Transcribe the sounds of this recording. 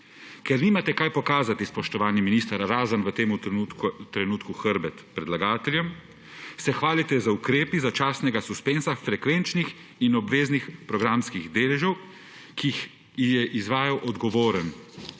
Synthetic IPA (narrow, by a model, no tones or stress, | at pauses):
kɛɾniːmat̪ɛkajpɔkaːzat̪ispɔʃt̪ɔʋaːnjiminist̪aɾaɾaːzənʋət̪eːmut̪ɾɛnuːt̪kuxəɾbɛt̪pɾɛd̪laɡaːt̪ɛljɛm | sɛxʋaːlit̪ɛzaukɾeːpizat͡ʃaːsnɛɡasuspenzafɾɛkʋent͡ʃnix | inɔbʋeːznixpɾɔɡɾamskiɣd̪eːlɛʒɛw | kix | ijɛʔizʋaːjawʔɔd̪ɡɔʋoːɾən